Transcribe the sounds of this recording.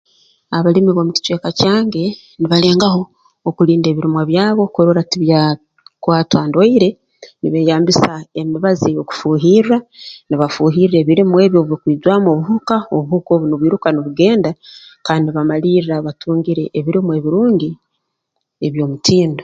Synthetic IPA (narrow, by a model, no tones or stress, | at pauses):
aβalimiβo̞ːmuci̥twe̞ːkacaːŋɡe̞ | niβale̞ːŋɡaɦo̞ː | kuɾiːnde̞ːβiɾimwaβjaːβo̞koɾoɾatiβja | kwaːtwaːndwoiɾe̞ | niβe̞jaːmbisae̞miβaziejo̞ku̥fuːɦiːɾaniβafuːɦiɾɾe̞βiɾimuwe̞ːβjo̞βuβikwiːzwaːmo̞βuɦukaoβuhuko̞ːβuniβwiːɾukaniβuɡe̞ːndakaːndiβamaliːrɾaβatʰuːŋɡiɾe̞ʔːβiɾimue̞ːβiɾuːɲɟi | eβjo̞ːmutʰiːndo